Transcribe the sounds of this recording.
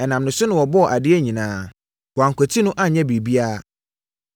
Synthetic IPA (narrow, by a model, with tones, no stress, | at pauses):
ɛ˨nã˨mnɪ̃˨sʊ˦nʊ̃˨wɔ˨bɔ˦˨ʔa˨dɪ˦ɛ˦ɲĩ˨nãː˨˦ | wwã˨ŋkʷʰɔ˨tʰi˦nʊ̃˦ʔa˦ɲɛ̃˦bi˨bi˦a˦˨